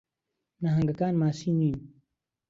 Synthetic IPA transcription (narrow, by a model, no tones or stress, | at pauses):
naɦɐŋɡɐkaːnmaːsiːniːn